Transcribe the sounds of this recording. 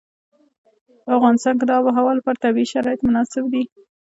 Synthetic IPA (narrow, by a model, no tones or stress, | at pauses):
afɣɑnɪst̪ɑnkɪd̪ɑbəɦawɑlpəɾt̪abiʃaɾɑjɪt̪mʊnɑsɪbd̪i